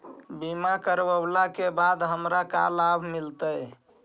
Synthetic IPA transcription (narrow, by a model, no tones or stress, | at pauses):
bimakəɾbəblakebad̪ɦəmɾaka̰labʱmilt̪əj